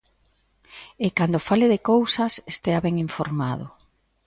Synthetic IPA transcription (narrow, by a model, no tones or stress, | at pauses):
ekand̪ofalɪðekowsɐsest̪eaβɛŋiɱfoɾmaðʊ